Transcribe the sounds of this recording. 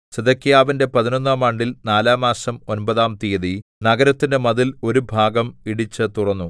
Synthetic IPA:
seðɐkːijaːʋinde̞pɐðino̞nːaːmaɳɖilnaːlaːmaːsɐmo̞nbɐðaːmt̪ijɐðinɐɡɐɾɐt̪ːindemɐðilo̞ɾubʱaːɡɐmiɽit͡ɕːɨt̪uɽɐnːu

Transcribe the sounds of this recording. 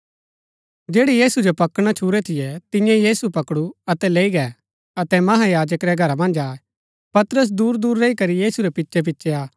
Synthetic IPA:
d͡ʒeːɽijiːsud͡ʒopɐkɽ̃at͡ʃʰuːɾɛt̪ʰɪjɛt̪ɪ̃jãjiːsupɐkɽuɐt̪ɛleːiɡɛ | ɐt̪ɛmɐɦajaːd͡ʒəkɾɛɡʱɐɾamɐ̃nd͡ʒaːɛ | pɐt̪ɾəs̬d̪uːɾd̪uːɾːeikɐɾijiːsuɾɛpɪtːʃɛp̬ɪtːʃɛaː

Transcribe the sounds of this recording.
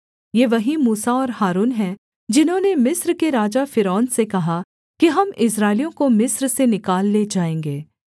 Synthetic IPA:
jeːʋɐɦimuːsaɔːɾhaːɾuːnɦɛ | d͡ʒɪnɦõːnemɪsɾkeɾaːd͡ʒafɪɾɔːnsekɐɦa | kiɦɐmɪsɾaːɪlijõkomɪsɾsenɪkaːlːeːd͡ʒaːẽːŋɡeː

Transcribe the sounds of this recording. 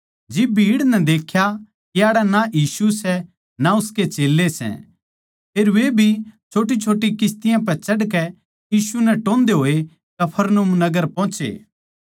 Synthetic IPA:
d͡ʒɪbbʱiːɽnɛd̪eːkʰja | kiaːɽɛnaʔiːsusɛ | naʊsket͡ʃeːlːesɛ̰ | pʰeːɾʋebʱit͡ʃʰoːʈ̬it͡ʃʰoːʈːikɪst̪ɪjãp̬ɛt͡ʃɐɽkɛ | jiːsunɛʈõːnd̪eɦoːe | kɐpʰəɾnmnɐɡəɾpɔ̃ːt͡ʃḛː

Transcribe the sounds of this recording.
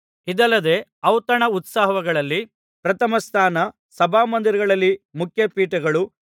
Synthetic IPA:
id̪ɐlːɐd̪e̞ɐwt̪ɐɳɐut̪saːɦɐɦɐɡɐɭɐlːi | pɾɐt̪ɐmɐst̪ʰaːnɐ | sɐbʱaːmɐnd̪iɾɐɡɐɭɐlːimukʰjɐpiːʈɐɡɐɭu

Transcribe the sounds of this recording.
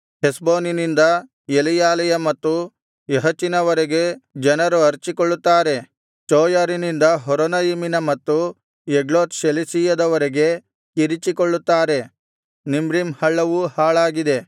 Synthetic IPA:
hesbo̞ːninind̪ɐ | elijaːlɐjɐmɐt̪ːu | eɦɐt͡ʃːinɐʋɐɾeɡe̞d͡ʒɐnɐɾuɐɾt͡ʃikoɭːut̪ːaːɾe̞ | t͡ʃoːjaːɾinind̪ɐɦɔɾonɐjiminɐmɐt̪ːu | jeɡɭoːt̪ʃelisijɐd̪ɐʋɐɾeɡe̞ | kiɾit͡ʃikoɭːut̪ːaːɾe̞ | nimɾimhɐɭːɐʋuhaːɭaːɡid̪e̞

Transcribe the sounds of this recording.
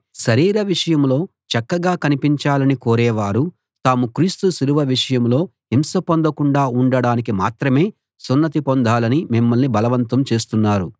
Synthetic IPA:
ʃɐɾiːɾɐʋiʂɐjɐmlo̞ː | t͡ʃɐkːɐɡaːkɐnipiɲt͡ʃaːlɐnikoːɾɛːʋaːɾu | t̪aːmukɾiːst̪usiɾuʋɐʋiʂɐjɐmlo̞ːɦimsɐpond̪ɐkuɳɖaːuɳɖɐɽaːnik̬ima̰ːt̪ɾɐme̞ː | sunːɐt̪ipond̪ʱaːlɐnimimːɐlnibɐlɐʋɐnt̪ɐmt͡ʃe̞ːst̪unːaːɾu

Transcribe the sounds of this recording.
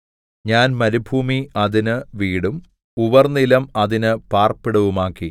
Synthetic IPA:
ɲaːnmɐɾubʱuːmiɐðinɨʋiːɽum | uʋɐrnilɐmɐðinɨpaːrpːiɽɐʋumaːkːi

